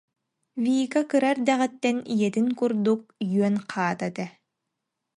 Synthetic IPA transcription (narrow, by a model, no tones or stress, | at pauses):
viːkakɯɾaɾd̪ɛʁɛt̪ːɛnijɛt̪iŋkuɾd̪uk̚jyœnqʰaːt̪at̪ɛ